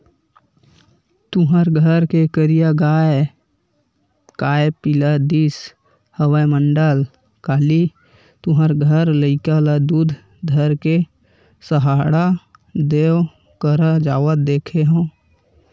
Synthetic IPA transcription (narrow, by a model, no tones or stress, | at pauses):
t̪uɦəɾɡʱəɾkekəɾijaɡaːe | kaːepɪlad̪is | həwəjməɳɖəl | kaːli | t̪ʊɦəɾɡʱəɾləɪkaləd̪ud̪ʱ | d̪ʱəɾke | səɦaːɽad̪eo | kəɾad͡ʒaːwət̪̚d̪eːkʰeɦə̃